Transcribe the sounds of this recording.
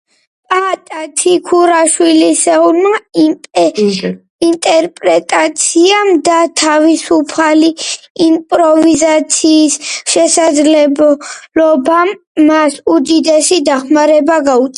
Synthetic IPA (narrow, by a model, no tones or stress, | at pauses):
pʼat̪ʼat̪ʰikʰuɾaʃwilisɛulma | int̪ʼɛɾpʼɾɛt̪ʼat̪sʰiamd̪at̪ʰavisupʰaliː | mpʼɾɔvizat̪sʰiːsʃɛsad̪zlɛblɔbamː | asud̪id̪ɛsid̪aχmaɾɛbaɡaut̪sʼ